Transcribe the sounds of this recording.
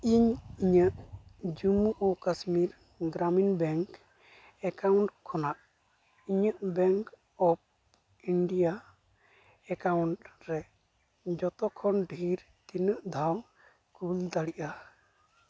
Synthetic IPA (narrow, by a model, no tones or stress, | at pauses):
iɲiɲəʔd͡ʒumuʔɔkasmiɾ | ɡɾaminbɛŋk | ɛkawɳʈkʰːɔnaʔ | iɲəʔbɛŋk | ɔp̚ | iɳɖija | ɛkawɳʈɾɛ | d͡ʒɔt̪ɔkʰɔnɖʱiɾ | t̪inəʔd̪ʱaw | kuld̪aɽiʔa